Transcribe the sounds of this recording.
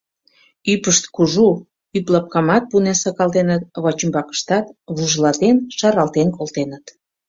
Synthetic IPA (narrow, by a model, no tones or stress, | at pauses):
ypəʃt̪kuʒu | yplɑp̚kɑmɑt̪̚punesɑkɑlt̪enət̪̚βot͡ɕəmbɑkə̥ʃt̪ɑt̪βuʒlɑt̪enʃɑɾɑlt̪enkolt̪enət̪